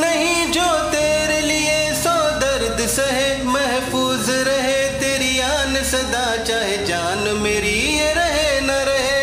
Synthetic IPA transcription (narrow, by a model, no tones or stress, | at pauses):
nɐɦĩd͡ʒoːt̪eːɾelɪesɔːd̪ɐɾd̪sɐɦe | mɛɦfuːz | ɾɐɦet̪eːɾiaːnsɐd̪aːt͡ʃaːɦed͡ʒaːn | meːɾi | ɾɐɦenaɾɐɦe